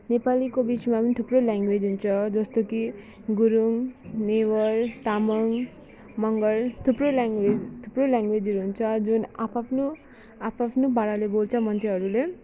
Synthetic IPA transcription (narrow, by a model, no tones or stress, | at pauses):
nepalikobismapʌnit̪ʰuproljaŋɡwed͡zɦunt͡sʰʌd͡zʌst̪oki | ɡuɾumnewʌrt̪amʌŋ | mʌŋɡʌlt̪ʰuprolaŋɡwed͡zt̪ʰuproljaŋɡwed͡zʌɾuɦunt͡sʰʌd͡zunapʰapʰno | apʰapʰnobaɽalebolt͡sʰʌmʌnt͡sʰeɦʌɾule